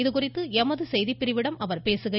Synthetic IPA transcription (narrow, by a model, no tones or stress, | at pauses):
ɪðɯkʊrɪt̪ːɯɛmɐðɯsɛjðipːɪɾɪʋɪɽɐmɐʋɐɾpeːsɯɣɐ